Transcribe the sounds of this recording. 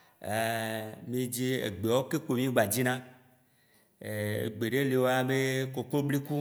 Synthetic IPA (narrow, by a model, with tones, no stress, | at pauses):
e˨mĩ˦d͡ʑi˦ḛ˨ɡ͡be˨wo˦ke˦k͡po˨mĩ˦ɡ͡ba˨d͡ʑi˦nã˦ | e˨ḛ˨ɡ͡be˨ɖe˦le˨wo˦a˦be˦ko˨k͡plo˦bli˦ku˦